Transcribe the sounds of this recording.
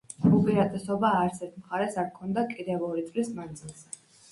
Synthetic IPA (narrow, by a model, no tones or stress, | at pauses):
upʼiɾad̪ɛsɔbaːɾt̪sʰɛɾt̪ʰmχaɾɛsaɾkʰɔnd̪akʼid̪ɛvɔɾit̪sʼlismand̪zilˠz̥ɛ